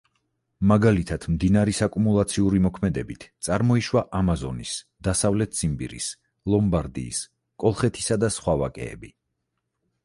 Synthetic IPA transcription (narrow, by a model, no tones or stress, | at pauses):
maɡalit̪ʰad̪̥md̪inaɾisakʼumulˠat̪sʰiuɾimɔkʰmɛd̪ɛbit̪ʰt̪sʼaɾmɔiʃwaʔamazɔnis | d̪̥asavlɛt̪̚ʰz̥imbḭɾḭs | lˠɔmbaɾd̪ḭːs | kʼɔlˠχɛt̪ʰi̥sad̪asχwava̰kʼɛ̰ːbi